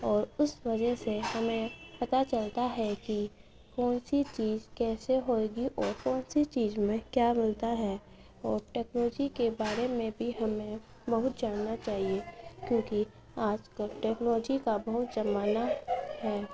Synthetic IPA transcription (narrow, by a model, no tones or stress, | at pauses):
ɔːɾʊsʋɐd͡ʒəɦsehɐmẽpɐt̪at͡ʃɐlt̪aɦɛki | kɔːnsit͡ʃiːzkɛːseɦoːeːɡiʔɔːɾkɔːnsit͡ʃiːzmẽkjaːmɪlt̪aɦɛː | ɔːɾʈɛːknɔːd͡ʒikebaːɾemẽbʱiɦɐmẽ | bɐɦʊt̪̚d͡ʒaːnnat͡ʃaːɦiekjõːki | aːd͡ʒkəlʈɛːknlɔd͡ʒikabɐɦʊt̪zɐmaːnaɦɛː